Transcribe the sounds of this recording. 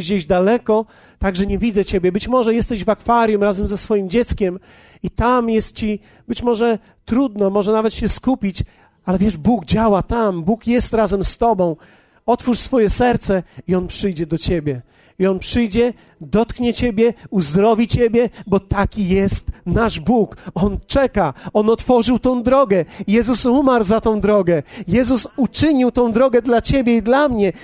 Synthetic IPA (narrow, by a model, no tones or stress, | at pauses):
d͡ʑeʑd̪alɛkɔ | t̪aɡʐɛɲɛvʲid̪zɛt͡ɕebʲjɛbɘt͡ɕmɔʐɛjɛst̪ɛʑvakfaɾʲjumɾazɛmzɛsfɔjimd͡ʑɛt̪skʲɛm | it̪amjɛst̪̚t͡ɕi | bɘt͡ɕmɔʐɛ | t̪ɾud̪nɔmɔʐɛnavɛt̪ɕɛskupʲit͡ɕ | alɛvʲjɛʐbuɡd͡ʑawat̪ambukjɛst̪ɾazɛmst̪ɔbɔ̃w̃ | ɔt̪fuʂsfɔjɛsɛɾt̪sɛiɔnpʂɘjd͡ʑɛd̪ɔt͡ɕebʲjɛ | iɔnpʂɘjd͡ʑɛ | d̪ɔt̪kɲɛt͡ɕebʲjɛuzd̪ɾɔvʲit͡ɕebʲjɛbɔt̪akʲijɛst̪naʐbukɔnt͡ʂɛkaɔnɔt̪fɔʐɨwt̪ɔ̃w̃d̪ɾɔɡɛjɛzusumaɾwzat̪ɔ̃w̃d̪ɾɔɡɛjɛzusut͡ʂɘɲiwt̪ɔ̃w̃d̪ɾɔɡɛd̪lat͡ɕebʲjɛid̪lamɲɛ